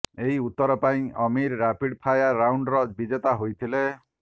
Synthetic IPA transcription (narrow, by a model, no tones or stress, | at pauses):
eɦiut̪ːɔɾɔpaĩɔmiɾːapiɽpʰajaɾawɳɖɾɔbid͡ʒet̪aɦojt̪ʰile